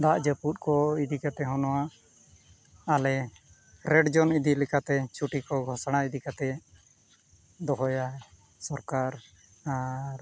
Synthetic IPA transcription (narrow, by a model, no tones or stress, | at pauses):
d̪aʔd͡ʒəput̪̚kɔid̪ikat̪ɛɦɔnɔwa | alɛ | ɾɛɖd͡ʒɔnid̪ilikat̪ɛt͡ʃʰuʈikɔɡʱɔsɽ̃aid̪ikat̪ɛ | d̪ɔɦɔja | sɔɾkaɾ | aɾ